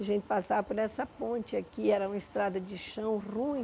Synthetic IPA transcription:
aʒẽnt͡ʃɪ̥pasavɐpoɾɛsɐpõnt͡ʃɪakiɛɾɐũmɐɪst̪ɾad̪ɐd͡ʒɪʃɐ̃w̃rũj̃

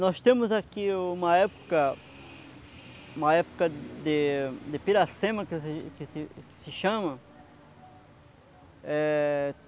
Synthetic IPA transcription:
nɔst̪ẽmʊzakiũmɐɛpo̥kɐ | ũmɐɛpo̥kɐd̪ed̪epiɾasẽmɐkkɪsɪkɪ̥sɪʃɐ̃mɐ | ɛ

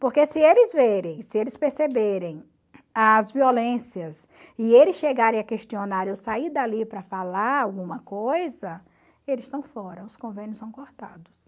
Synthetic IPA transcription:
poɾkesɪelɪzveɾẽj̃sɪelɪspeɾsebeɾẽj̃ | ɐzviolẽsiɐs | ɪelɪsʃeɡaɾẽj̃ɐkeʃt͡ʃionaɾewsaid̪alipɾɐfalaɾawɡũmɐkojzɐ | elɪst̪ɐ̃w̃fɔɾɐʊskõvẽnjʊsɐ̃w̃koɾt̪ad̪ʊs

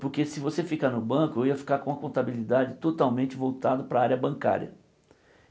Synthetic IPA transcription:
poɾkesɪvosefikaɾnʊbɐ̃kʊewiɐfi̥kaɾkõũɐkõnt̪abilid̪ad͡ʒɪt̪ot̪awmẽnt͡ʃɪvowt̪ad̪ʊpɾɐaɾjɐbɐ̃ŋka̰ɾjɐ̰

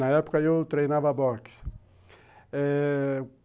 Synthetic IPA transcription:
nɐɛpʊ̥kɐewt̪ɾejnavɐbɔks | ɛ

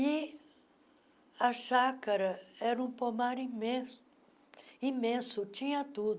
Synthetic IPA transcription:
ɪ | ɐʃakɐɾɐɛɾɐũpomaɾĩmẽsʊ̥ | ĩmẽsʊt͡ʃĩɲɐt̪ud̪

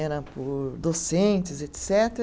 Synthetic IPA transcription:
ɛɾɐpʊɾd̪osẽnt͡ʃɪzet̪sɛt̪e

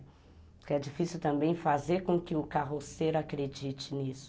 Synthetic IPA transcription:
kɛd͡ʒifisiwt̪ɐ̃mbẽj̃fazeɾkõkɪʊkaɦoseɾʊakɾed͡ʒit͡ʃɪnisʊ̥

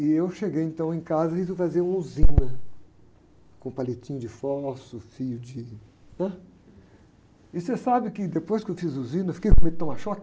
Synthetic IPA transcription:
ɪewʃeɡejẽnt̪ɐ̃w̃ẽkazɐhizifaziɐũuzĩnɐ | kõpalet͡ʃĩɲʊd͡ʒɪfɔsʊfijʊd͡ʒɪ | nɛ̃ | ɪsesabɪkɪd̪epojskɪewfizuzĩnɐfi̥kejkõmet̪ɐ̃w̃aʃɔk

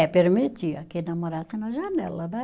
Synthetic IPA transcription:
ɛpeɾmet̪ʲiɐkɪnɐmoɾasɪnɐʒɐnɛlɐd̪ɛ

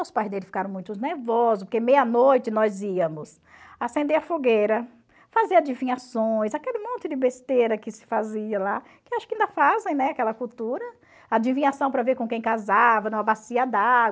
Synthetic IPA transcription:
ewspajzd̪elɪfikaɾɐ̃w̃mũj̃t̪ʊneɾvɔzzʊspoɾkemejɐnojt͡ʃɪnɔziɐmʊs | asẽnd̪eɐfoɡejɾɐ | faziɐd͡ʒ̪ivĩɲasõj̃sakelɪmõnt͡ʃ̪ɪd̪ɪbest̪eɾɐkɪsɪ̥faziɐla | kɪwaʃʊkɪɐĩnd̪ɐfazẽj̃nɛakɛlɐkuwt̪uɾɐ | ɐd͡ʒĩvĩɲasɐ̃w̃pɾɐveɾkõkẽj̃kazavɐnɐ̃w̃abasiɐd̪a

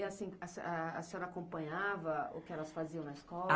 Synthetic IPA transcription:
iasĩɐsaɐ̰sẽɔɾɐakõpɐ̃ɲavɐʊ̰kɪɛlɐsfaziɐ̃w̃nɐɪskɔ

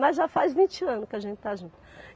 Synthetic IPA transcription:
mɐzʒafajzvĩt͡ʃɪɐ̃nʊkɪaʒẽnt͡ʃɪ̥t̪aʒũnt̪ʊ̥

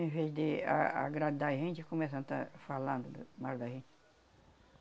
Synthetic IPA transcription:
ẽveʒd̪ea̰a̰ɡɾad̪d̪aʒẽt͡ʃɪkõmes̬ɐ̃t̪afalɐ̃nd̪ʊd̪maɾd̪aʒẽt͡ʃ

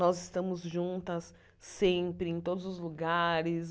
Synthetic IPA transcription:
nɔzɪst̪ɐ̃mʊzʒũnt̪ɐsː | ẽmpɾɪẽt̪od̪ʊzʊzluɡaɾɪs

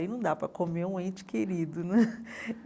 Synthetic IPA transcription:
ĩnɐ̃w̃d̪apɾɐkomeũẽt͡ʃɪ̥keɾid̪ʊnɛ

